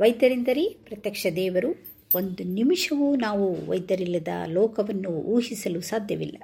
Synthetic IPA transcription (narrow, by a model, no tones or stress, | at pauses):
ʋɐjd̪ɐɾind̪ɐɾipɾɐt̪jɐkʂɐd̪ɛːʋɐɾu | ond̪unimiʂɐʋunaːʋuʋɐ̰jd̪ɐɾilːɐd̪ɐ̰lɔːkɐʋɐnːuuːɦisɐlusaːd̪ʱjɐʋilːɐ